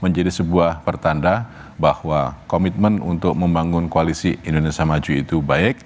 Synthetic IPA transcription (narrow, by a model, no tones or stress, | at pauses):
məɲd͡ʒadisəbuahpərt̪andah | bahwakomit̪̚mənunt̪ʊk̚məmbaŋʊnkoalisiindonesiamad͡ʒuit̪ubaɪk̚